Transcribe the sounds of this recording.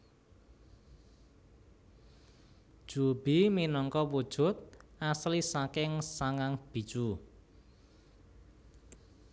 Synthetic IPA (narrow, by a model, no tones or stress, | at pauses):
d̥ʒ̥ṳb̥iminɔŋkɔwud̥ʒ̥ʊ̤t̪̚ʔaslisakɪŋsaŋaŋb̥i̤t͡ʃu